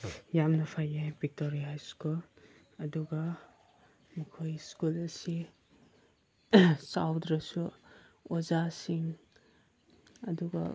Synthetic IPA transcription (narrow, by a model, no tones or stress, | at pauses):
jamnɐpʰajabik̚toɾiɦajskul | ɐduɡɐ | mikʰojskulɐsi | sa̰wdɾɐsuozasiŋ | ɐduɡɐ̰